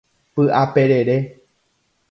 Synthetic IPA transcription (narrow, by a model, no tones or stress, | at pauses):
pɨʔape̞ɾe̞ɾe̞